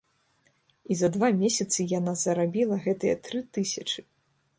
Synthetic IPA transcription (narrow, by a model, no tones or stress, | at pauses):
izɐd̪vamʲɛsʲɐt̪sɨjanazɐɾabʲilˠɐɣɛt̪ɨjɛt̪ɾɨt̪ɨsʲɐt͡ʂɨ